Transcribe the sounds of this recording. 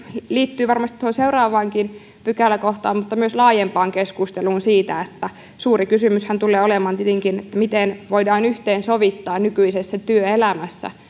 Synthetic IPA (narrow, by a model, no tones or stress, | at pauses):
liːt̪ːyːʋɑrmɑst̪i̥t̪ːoonseuwrɑːʋɑːŋkin | pykælːækoht̪ɑ̰ːmmut̪ːɑmyøslɑːjempɑːŋkeskust̪eluːnsiːt̪æet̪ːæ | suːrikysymyshænt̪ulːˑeːolemɑːnt̪iet̪eŋkinet̪ːæmit̪enʋoidɑːnyht̪eːnsoʋit̪ːɑːnnykyisesːæt̪yøelæmæsːæ̰